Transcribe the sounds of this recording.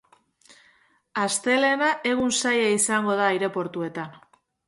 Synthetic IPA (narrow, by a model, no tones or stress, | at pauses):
ast̪e̞le̞naʔe̞ɣunsajaisaŋɡo̞ð̞aːiɾe̞po̞ɾt̪ue̞t̪an